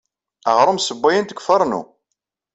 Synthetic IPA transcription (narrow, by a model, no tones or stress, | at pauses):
əʁɾˤəmsəbːæjənt̪əkʷːfəɾˤnṵ